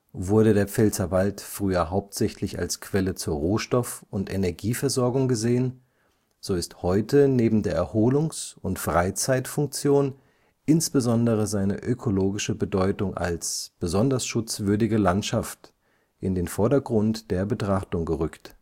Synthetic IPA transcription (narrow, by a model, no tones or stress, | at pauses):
vʊɐɾədeːɐp͡fɛlt͡sɐvaltfʁ̥yːɐɦaʊp̚tz̥ɛçlɪça̰lskʰv̥ɛlət͡suːɐʁoːʃtɔfʊntʔenɛɐɡiːfɛɐzɔɐɡʊŋɡəzeːən | z̥oːɪsthɔʏtəneːbm̩deːɐʔɛɐhoːlʊŋsʊntfʁ̥aɪt͡saɪtfʊŋk̚t͡sjoːn | ʔɪnsb̥əzɔndəʁ̞əzaɪnə̰ʔøkʰoloːɡɪʃəbədɔʏtʊŋʔa̰lsb̥əzɔndɐsʃʊt͡sv̥ʏɐdɪɡəlantʃaft | ʔɪndeːnfɔɐdɐɡʁʊntd̥eːɐbətʁ̥aχtʊŋɡəʁʏkt